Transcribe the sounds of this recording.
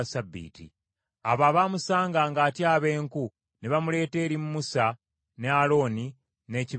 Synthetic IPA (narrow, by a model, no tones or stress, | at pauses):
sabːḭːtḭ | aβaβamusaːŋɡaːŋɡaːtjaːβe̞ːŋku | neβamule̞ːte̞ːɾimumusa | nealo̞ːni | ne̞ːci